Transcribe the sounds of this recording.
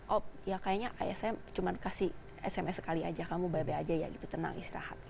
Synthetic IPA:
ʔɔp̚jakajaʔɲaʔa̰ɛsɛmt͡ʃumankasi | ɛsɛmɛsə̥kalia̰d͡ʒakamubabead͡ʒaja̰ɡit̪ut̪əna̰ŋḭst̪iɾa̰ha̰t̪̚

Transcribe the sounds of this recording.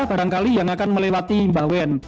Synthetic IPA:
hb̥a̤ɾaŋkalijaŋakanməlewat̪imbawɛn

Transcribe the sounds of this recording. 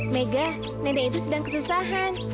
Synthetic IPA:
neɡa | nedait̪usədaŋkəsusaɦan

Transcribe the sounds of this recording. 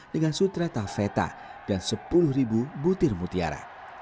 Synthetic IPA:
dəŋansut̪ɾat̪afɛt̪a̰d̥ansəpulʊhɾibubut̪ɪrmut̪ia̰ɾa̰

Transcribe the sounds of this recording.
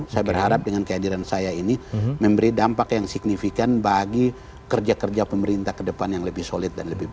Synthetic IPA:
sajabərhaɾap̚dəŋankəadiɾansajainiməmbəɾidampakjaŋsik̚nifikanbaɡi | kərd͡ʒakərd͡ʒapəməɾint̪ahkədəpanjaŋləbɪhsolɪt̪̚danləbɪh

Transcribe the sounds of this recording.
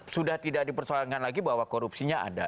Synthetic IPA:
sudaht̪idak̚dipərsaarkanlaɡibaɦwakoɾupsiɲaʔa̰da

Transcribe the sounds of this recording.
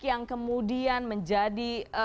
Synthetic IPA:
kjaŋkəmudianməɲd͡ʒadi

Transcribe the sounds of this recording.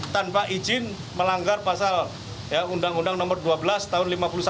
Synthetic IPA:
t̪anpaʔid͡ʒɪn | məlaŋɡarpasal | jaundaŋundaŋnɔmərduabəlast̪aɦʊnlimapulus

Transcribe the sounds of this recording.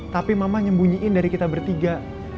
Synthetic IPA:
t̪apimamaɲəmbuɲiʔɪndaɾikit̪abərt̪iɡa

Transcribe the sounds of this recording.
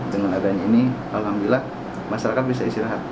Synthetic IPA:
dəŋanadaɲainikalohambilah | maʃaɾakat̪̚bisaist̪iɾaɦat̪̚

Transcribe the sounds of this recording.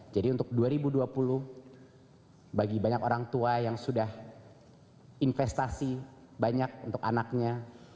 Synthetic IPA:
d͡ʒadiunt̪ʊk̚duaɾibuduapulʊh | baɡibaɲakoɾaŋt̪uajaŋsudah | infɛst̪asi | baɲak̚unt̪ʊka̰nak̚ɲa

